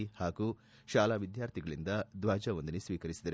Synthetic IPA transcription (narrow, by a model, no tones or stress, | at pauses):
haːɡu | ʃaːlaːʋid̪jaːɾt̪ʰiɡɐɭind̪ɐd̪ʋaːd͡ʒɐʋond̪ɐnesʋiːkɐɾisid̪ɐɾ